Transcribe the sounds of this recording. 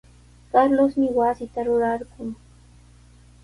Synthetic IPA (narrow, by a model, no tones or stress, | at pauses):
kaɾlosmɪwasɪt̪aɾʊɾaɾɢʊŋ